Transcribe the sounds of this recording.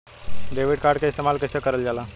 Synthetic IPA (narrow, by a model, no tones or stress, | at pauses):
ɖeʋiɖkaɾɖkaist̪emalkəsəkəɾəld͡zala